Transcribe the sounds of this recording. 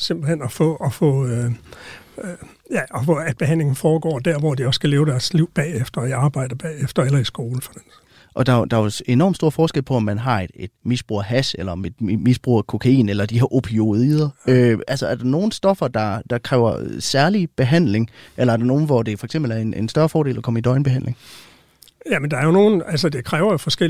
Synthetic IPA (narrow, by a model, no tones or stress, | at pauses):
se̝mb̥l̩henɒfɔ̰ɒfɔ̰ | jæɒfɔæd̥̚b̥e̝ɦæn̰le̝ŋn̩fɒːɡ̥ɒ̰ːd̥æɐʋɒd̥iɒ̽sːkʰæleːʊd̥æɐsliʊ̰b̥ɛ̰ːefd̥ɐiɑ̈ːb̥ɑ̈ɪ̰d̥əb̥ɛːefd̥ɐelɐisɡ̥o̝ːln̩fɒd̥en | ʔɒ̽d̥ɑ̈d̥ɑ̈ose̝nɒ̰md̥sdo̝ɐ̰fɒːsɡ̥el̰pʰɒ̽ɒmːænɦɑ̈e̝d̥e̝d̥misb̥ʁṵːɐɦæselɐe̥misb̥ʁṵːɐkʰo̝kʰæḭːnelɐd̥ihe̝ɐʔopʰio̝ðiðˠɐøælsɐæɐd̥ɑ̈no̝ːn̩sd̥ɒ̽fɐd̥ɑ̈d̥ɑ̈kʰʁɛːʊɐsæɐlib̥e̝ɦæn̰le̝ŋʔelɐæɐd̥ɑ̈no̝ːn̩ʋɒd̥e̝fɒ̽eɡ̥semb̥l̩æɐenensd̥ɶɐfɒːɾ̥e̝̰ːlɒkʰɒ̽məid̥ɒ̽ɪn̩b̥e̝ɦæn̰lʔe̝ŋ | jæmənd̥ɑ̈ɐjo̝no̝ːn̩ælsəd̥e̝kʰʁɛːʊɐjo̝fɒ̽sɡ̥e